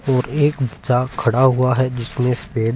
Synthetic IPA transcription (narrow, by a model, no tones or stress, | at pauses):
ɔːɾeːkbɐtːt͡ʃakʰɐɽaɦuaɦɛd͡ʒɪsmẽspeːɖ